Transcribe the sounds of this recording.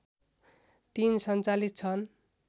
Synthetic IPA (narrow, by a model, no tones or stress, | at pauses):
t̪insʌnt͡salitt͡sʰʌn